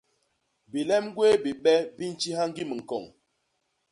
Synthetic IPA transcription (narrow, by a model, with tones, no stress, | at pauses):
bi˨lɛ˦m˦ɡwe˦bi˨ɓɛ˦bi˦n˨t͡ʃi˦ha˦ŋ˦ɡi˦mə˨ŋ̩˨kɔ˨ŋ